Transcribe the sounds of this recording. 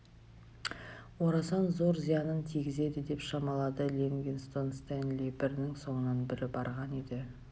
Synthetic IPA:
woɾɑsɑnzo̞ɾzijɑnənt̪ʰiɡʲɪze̞d̪ɪd̪e̞pʃɑmɑlˠɑd̪əlʲeŋɡʲenst̪onst̪enlʲebɪɾɪnɪŋso̞ɴənɑnbɪɾɪbɑɾʁɑned̪ɪ

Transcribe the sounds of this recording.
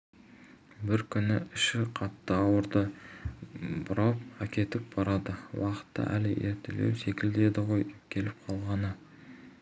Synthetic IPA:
bɪɾkʲʰʏnɪɪʃɪqʰɑt̪ːəɑwəɾd̪ə | bʊɾɑp̚ɑkʲʰe̞t̪ɪp̚b̥ɑɾɑd̪əwɑqə̥t̪ːɑ̰ʔæ̰lɪʔe̞̰ɾt̪e̞̰le̞̰wse̞kʲɪld̪e̞d̪ɪʁo̞jkʲʰe̞lɪp̚qʰɑlˠʁɑnə

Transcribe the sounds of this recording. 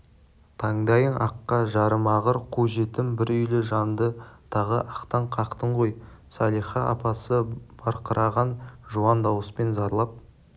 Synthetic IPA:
t̪ʰɑɴd̪ɑjəɴʔɑqːɑʒɑɾəmɑʁəɾqʰuʒe̞t̪ɪmbɪɾʏjlɪʒɑnd̪ət̪ʰɑʁəʔɑqt̪ɑɴqʰɑqt̪əɴqojsɑlˠijχɑʔɑ̰pɑsəb̥ɑɾqəɾʔɑʁɑnʒuɑnd̪ɑwəspe̞nzɑɾlˠɑp̚

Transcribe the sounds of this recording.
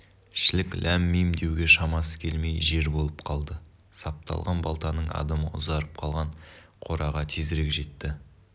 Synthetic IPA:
ʃɪlɪklʔæmːejmd̪e̞wɡʲe̞ʃɑmɑsə̥kʲʰe̞lme̞jʒe̞ɾbo̞lˠəp̚qʰɑlˠd̪ə | sɑp̚t̪ɑ̰lˠʁɑnbɑlˠt̪ɑnəɴɑ̰d̪ɑməʊ̰zɑɾəp̚qʰɑlˠʁɑɴqʰo̞ɾɑʁɑt̪ʰezɾe̞kʒe̞t̪ːɪ

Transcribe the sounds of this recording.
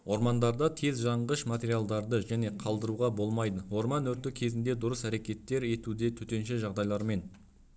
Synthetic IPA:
wʔo̞ɾmɑnd̪ɑɾd̪ɑt̪ʰe̞zʒɑɴʁəʃmat̪ʲe̞ɾialˠd̪ɑɾd̪əʒæne̞qʰɑlˠd̪əɾuʁɑbo̞lˠmɑjd̪əwo̞ɾmɑnɵɾt̪ɪkʲʰe̞zɪnd̪e̞d̪ʊɾəsæɾe̞kʲe̞t̪ːe̞ɾe̞t̪ud̪e̞t̪ʰɵt̪e̞nʃɪʒɑʁd̪ɑjlˠɑɾme̞n

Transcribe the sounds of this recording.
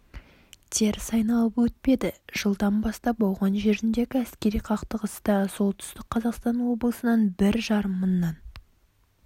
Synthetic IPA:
t̪ʲʰe̞ɾsɑjnɑlˠəpwɵt̪̚pe̞d̪ɪʒ̥əlˠd̪ɑnbɑst̪ɑbolˠʁɑnʒe̞ɾɪnd̪e̞ɡʲɪæskʲe̞ɾijqʰɑqt̪əʁəst̪ɑso̞lˠt̪ʰʏ̥st̪ɪk̚qʰɑzɑqst̪ɑnwo̞bəlˠəsənɑnbɪɾʒɑɾəmːənːɑn

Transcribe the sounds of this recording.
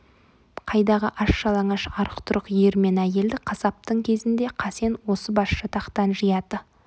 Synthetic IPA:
qʰɑjd̪ɑʁə̰ʔɑʃːɑlˠɑɴɑʃɑɾəqt̪ʰʊɾəqjeɾme̞næje̞ld̪ɪqʰɑsɑp̚t̪əɴkʲʰe̞zɪnd̪e̞qʰɑse̞nwo̞səbɑsʃʃət̪ʰɑqt̪ɑnʒəjɑd̪ə

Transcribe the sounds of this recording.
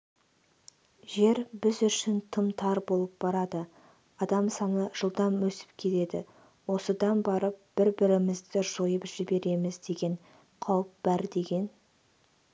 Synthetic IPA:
ʒe̞ɾbɪzʏʃɪnt̪ʰəmt̪ʰɑɾbo̞lˠəp̚b̥ɑɾɑd̪ə | ɑd̪ɑmsɑnəʒ̥əlˠd̪ɑmwɵsɪ̥pkʲʰe̞t̪e̞d̪ɪ̰ | wo̞səd̪ɑnbɑɾəp̚b̥ɪɾbɪɾɪmɪzd̪ɪʒ̥o̞jəpʒɪbe̞ɾe̞mɪzd̪e̞ɡʲe̞ɴ | qʰɑwəp̚b̥æɾd̪e̞ɡʲe̞n

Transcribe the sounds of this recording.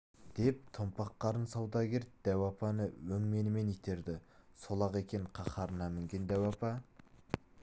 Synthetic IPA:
d̪̥e̞p̚t̪ʰompɑqːɑɾənsɑwd̪ɑɡʲeɾ̚d̪̥æwɑpɑnəwɵŋme̞nɪme̞nijt̪ʰe̞ɾd̪ɪsolˠɑqe̞kʲe̞ŋqʰɑχɑɾənɑmɪŋɡʲe̞nd̪æwɑpɑ

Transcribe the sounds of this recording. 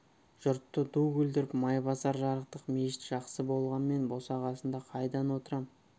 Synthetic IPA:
ʒ̥ʊɾt̪ːəd̪uɡʲɵld̪ɪɾɪpmɑjbɑsɑɾʒɑɾəq̚t̪əqme̞ʃɪt̪ʒ̥ɑqsəbo̞lˠʁɑnme̞nbo̞sɑʁɑsənd̪ɑqʰɑjd̪ɑnwo̞t̪əɾɑm

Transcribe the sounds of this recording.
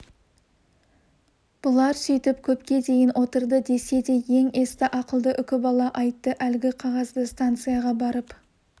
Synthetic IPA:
b̥ʊlˠɑɾsɵjt̪ɪpkʲʰɵpkʲe̞d̪e̞jɪnwʔo̞t̪əɾd̪əd̪e̞se̞d̪e̞je̞ŋe̞st̪ɪʔɑqəlˠd̪əʔʏkʲɪbɑlˠɑʔɑjt̪ːəʔælɪɡʲɪqʰɑʁɑzd̪əst̪ant̪sɨjaʁɑbɑɾəp

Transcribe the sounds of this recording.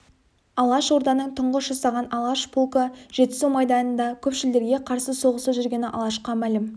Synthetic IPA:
ɑlˠɑʃwo̞ɾd̪ɑnəɴt̪ʰʊɴʁəsʒɑsɑʁɑnɑlˠɑʃpʰulˠkəʒ̥e̞t̪ɪ̥suwmɑjd̪ɑnənd̪ɑkʲʰɵpʃɪld̪e̞ɾɡʲe̞qʰɑɾsəso̞ʁəsəʒʏɾɡʲe̞nɪʔɑ̰lˠɑʃqɑmælɪm

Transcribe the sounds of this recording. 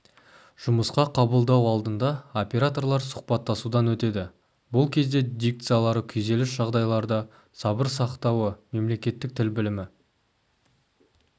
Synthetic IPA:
ʒ̥ʊməsqɑqʰɑbəlˠd̪ɑwɑlˠd̪ənd̪ɑo̞pʲe̞ɾat̪o̞rlˠɑɾsʊ̥χpɑt̪ːɑsud̪ɑnwɵt̪e̞d̪ɪ | bʊlˠkʲʰe̞zd̪e̞d̪ijk̚t̪sɨjalˠɑɾəkʲʰɵjze̞lɪsʒɑʁd̪ɑjlˠɑɾd̪ə | sɑbəɾsɑqt̪ɑwəme̞mle̞kʲe̞t̪ːɪk̚t̪ʰɪlbɪlɪmɪ

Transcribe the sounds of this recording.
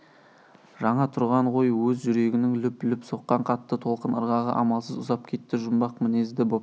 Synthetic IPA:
ʒɑɴɑt̪ʰʊɾʁɑɴʁo̞jwɵzʒʏɾe̞ɡʲɪnɪŋlʏplʏpso̞qːɑɴqʰɑt̪ːət̪ʰo̞lˠqənəɾʁɑʁə̰ʔɑmɑlˠsəzʊzɑp̚kʲʰe̞t̪ːɪʒʊmbɑqmɪne̞zd̪ɪbo̞p̚

